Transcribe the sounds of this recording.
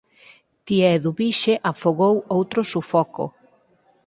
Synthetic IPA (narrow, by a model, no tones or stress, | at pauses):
t̪iɛðuβiʃeʔafoɣowowt̪ɾʊsufɔko̰